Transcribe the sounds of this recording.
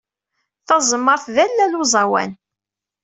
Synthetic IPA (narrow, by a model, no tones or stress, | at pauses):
θɑzˤmːəɾˤθðælːæluzˤɑwæ̰n